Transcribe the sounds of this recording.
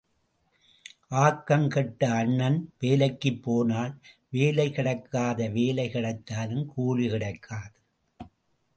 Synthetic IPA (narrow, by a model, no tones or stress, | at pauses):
ʔaːkːɐmkɛʈːɐɐɳːɐnʋeːlɐɪkːɯpːoːnaːl | ʋeːlɐɪkɪɽɐkːaːðɐʋeːlɐɪkɪɽɐɪt̪ːaːlɯmkuːɻikɪɽɐɪkʰːaːðɯ